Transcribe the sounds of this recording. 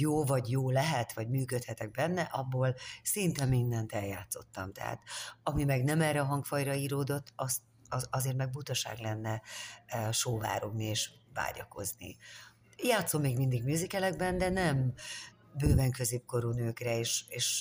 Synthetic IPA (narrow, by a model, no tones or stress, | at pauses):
joːvɒɟjoːlɛɦɛt̪ʋɒɟmyːkøt̪hɛt̪ɛɡ̚bɛnːɛʔɒbːoːlsint̪ɛmind̪ɛnt̪ɛljaːt̪so̞t̪ːɒmt̪ɛ̰ɦa̰ːt̪ɒmimɛɡnɛmɛːrːɛɒɦɒŋkfɒjrɒiːɾoːd̪o̞t̪ːɒz | ɒzeːrt̪mɛɡ̚but̪ɒʃa̰ːɡlɛnːɛ | ʃoːva̰ːɾo̞ɡnieːʃva̰ːɟɒ̰ko̞̰znḭ | jaːt̪so̞mːeːɡmind̪iɡmyzikɛlɛɡbɛnd̪ɛnɛm | bøːvɛŋkø̞zeːp̚ko̞ɾuːnøːkrɛeːʃeːʃ